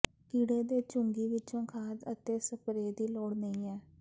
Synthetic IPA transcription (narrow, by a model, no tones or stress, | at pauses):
kiːɽeːd̪eːt͡ʃʊŋɡiːʋɪt͡ʃõːkʰaːd̪ə̰t̪eːsəpɾeːd̪iːloːɽnəĩːɛː